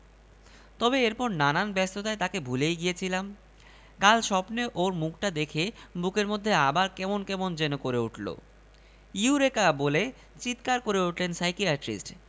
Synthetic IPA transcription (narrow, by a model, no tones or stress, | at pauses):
t̪ɔbeeɾpɔɾnananbɛst̪ot̪aet̪akebʱulejɡijet͡ɕʰilam | kalʃɔpneʔoɾmukʰʈad̪ekʰebukeɾmod̪ʱːeabaɾkɛmonkɛmond͡ʑenokoɾeuʈʰlo̰ | uɾekabole | t͡ɕit̪kaɾkoɾeuʈʰlensajkiaʈɾḭsʈ